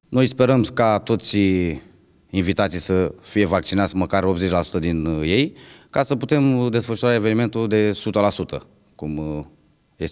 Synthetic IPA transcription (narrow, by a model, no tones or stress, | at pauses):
no̞jspe̞ɾəmkat̪o̞t̪sʲ | invit̪at̪sijsəfije̞vak̚t͡ʃinat̪sʲməkaro̞p̚t̪ze̞t͡ʃʲlasu̥t̪əd̪inje̞jkasəput̪e̞md̪e̞sfəʃuɾae̞venime̞nt̪uld̪e̞sut̪əlasut̪ə̰ | kum | je̞s